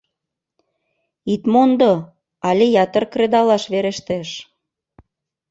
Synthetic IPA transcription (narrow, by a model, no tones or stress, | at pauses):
it̪mond̪o | ɑlʲejɑt̪ərkred̪ɑlɑʃβeɾeʃt̪eʃ